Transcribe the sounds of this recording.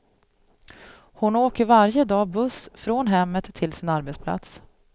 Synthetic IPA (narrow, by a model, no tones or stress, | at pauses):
hʊnoːkəɾvaɾjəd̪ɑːbɵsfɾoːnɦɛmːət̪ʰːɪlsɪnaɾbɛt̪spʰla̰t̪s